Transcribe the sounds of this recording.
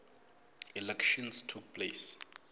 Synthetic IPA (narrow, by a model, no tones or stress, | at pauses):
ilɛkʃɔ̃nstʰuk̚pʰles